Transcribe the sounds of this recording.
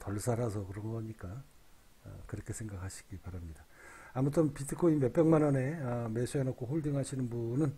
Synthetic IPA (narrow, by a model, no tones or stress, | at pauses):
tʌɭsʰaɾasʰʌkɯɾʌŋɡʌɲik͈a̰ | kɯɾʌkʰe̞sʰeŋɡakʰaɕʰi̥ɡ̥ipaɾamɲida | amutʰɯnpitʰɯkʰoinme̞k̚p͈e̞ŋmanʌne̞ʌmesʰuenokʰoɸoɭdiŋɦaɕʰinɯnbunɯn